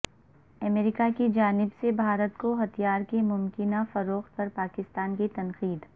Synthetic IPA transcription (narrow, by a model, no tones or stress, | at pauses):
ɐmeɾɪkakid͡ʒaːnɪbsebʱaːɾət̪koɦɐt̪ijaːɾkemʊmkɪnafɐɾoːxt̪̚pɐɾpaːkɪst̪aːnkit̪ɐnqiːd̪